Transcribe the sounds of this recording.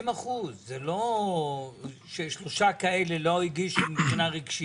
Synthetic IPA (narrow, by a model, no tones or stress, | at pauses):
maχuzːelo̞ | ʃeʃlo̞ʃakae̞lelo̞iɡiʃubipχinaʁiɡʃi